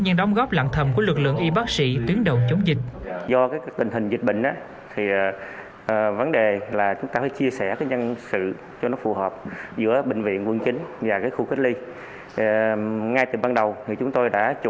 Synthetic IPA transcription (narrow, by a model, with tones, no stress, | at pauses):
ɲɨ˧nɗə˨˦wŋ͡mɣɔ˦˥p̚la̰ː˧˨nt̪ʰə˨˩mku˧˩əlɨ˨˩k̚lɨ̰˧˨ŋʔi˧ɓaː˦˥k̚sḭ˧˥t̪wi˨˦əŋɗə˨˩wt͡ɕə˨˦wŋ͡mzï˨˩k̟̚zɔ˧kaː˨˦kːt̪ï˨˩ŋ̟ɦï˨˩ŋ̟zi˨˩k̟̚ɓḭ˧˨ŋ̟ʔaː˨˦ | t̪ʰi˨˩˨ | və˨˦nɗe˨˩laː˨˩t͡ɕʊ˨˦ŋ͡mt̪aː˧faː˧˦jt͡ɕi˧əsɛ˧˩kaː˨˦jɲə˧nsɨ̰˧˨ | t͡ɕɔ˧nɔ˨˦fu˨˩ɦɔː˨˩p̚zɨ̰˧˥əɓï˧˨˩ŋ̟vḭ˧˨ənkwə˧ŋt͡ɕï˨˦ŋ̟vaː˨˩kaː˨˦jxu˧xi˦˥k̚li˧˨ | ŋa˧jt̪ɨ˨˩ɓaː˧nɗə˨˩wt̪ʰi˨˩t͡ɕʊ˨˦ŋ͡mt̪o˧jɗa̰ː˧˥t͡ɕ